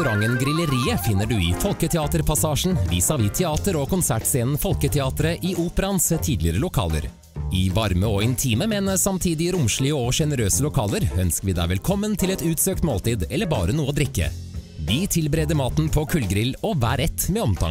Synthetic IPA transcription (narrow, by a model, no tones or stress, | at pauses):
ʉɾɑŋːənɡɾɪləɾiːəfɪnːəɖʉɪfɔlkət̪ʰɛɑːt̪əɾpʰɑsɑːʂɳ̩ʋɪsɑʋɪt̪ʰɛɑːt̪əɾɔkʰʊnsæʈseːnn̩fɔlkət̪ʰɛɑːt̪əɾəʔɪʔuːpəɾɑnst̪ʰiːd̪lɪəɾəlʊkʰɑ̰ːlə̰ɾ | ɪʋɑɾməɔɪnt̪ʰiːməmɛnsɑmt̪ʰiːd̪ɪɾʊmʂɭɪəɔʂɛnəɾøːsəlʊkʰɑːləɾœnskəʋiːd̪æ̰ɪʋɛlkʰɔmːənt̪ʰɪlɛt̪ʉːt̪søːkt̪moːlt̪iːd̪ɛlːəɾbɑːɾənuːəoːd̪ɾɪkːə̰ | ʋiːt̪ʰɪlbɾeːd̪əɾmɑːt̪n̩pʰɔkʰʉlɡɾɪlɔʋæːɾɛt̪ːmɛːɔmt̪ʰɑ̰ŋ